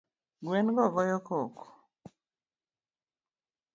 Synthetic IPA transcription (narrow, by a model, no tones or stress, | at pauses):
ɡwenɡɔɡɔjɔkɔk